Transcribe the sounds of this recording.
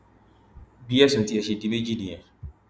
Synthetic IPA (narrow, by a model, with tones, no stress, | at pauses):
bi˦ɛ˦sʊ̃˨ti˦ɛ˨ɕɛ˨di˨me˦d͡ʑi˦dĩ˨ɛ̃˨